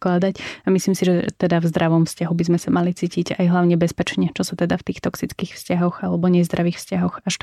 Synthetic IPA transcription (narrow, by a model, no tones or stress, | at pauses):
klad̪acamisliːmsiʒɛt̪ɛd̪avzd̪ɾaʋɔmfscaɦubizmɛsamalit͡siːciɟajɦlaʊɲɛbɛspɛt͡ʃɲɛt͡ʃɔsut̪ɛd̪aft̪iːxt̪ɔksit͡skiːxfscaɦɔɣalɛbɔɲɛzd̪ɾaʋiːxfscaɦɔɣaʃ